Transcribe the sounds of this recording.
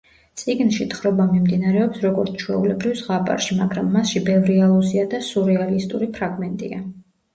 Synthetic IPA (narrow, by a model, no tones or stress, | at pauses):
t̪sʼiɡnʃit̪ʰχɾɔbamimd̪inaɾɛɔpsɾɔɡɔɾt̪sʰt͡ʃʰwɛulɛbɾivsʁapʼa̰ɾʃimaɡɾamːasʃibɛvɾialˠuziad̪asuɾɛalist̪ʼuɾipʰɾaɡmɛnt̪ʼḭa